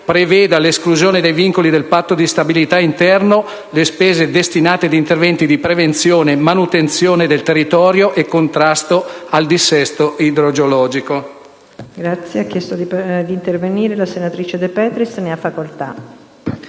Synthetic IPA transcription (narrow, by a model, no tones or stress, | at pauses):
pɾevɛːd̪aleskluzjoːned̪ejviŋkolid̪elpat̪ːod̪ist̪abilit̪aint̪ɛrno | lespeːzed̪est̪inaːt̪ed̪iːnt̪ervɛnt̪id̪ipɾevent̪sjoːnemanut̪ent̪sjoːned̪elt̪erːit̪ɔːɾjoʔekːont̪ɾast̪oald̪isːɛst̪oʔid̪ɾod͡ʒolɔːd͡ʒiko | ɡɾat̪sːjeakːjɛst̪od̪id̪iːnt̪erveniːɾelasenat̪ɾiːt͡ʃed̪epɛːt̪ɾisneafːakolt̪a̰